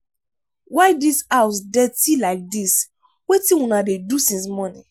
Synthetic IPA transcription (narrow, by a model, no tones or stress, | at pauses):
waɪdisawsdɛtilaɪk̚dis | wetĩũnadedusĩnsmɔnḭ̃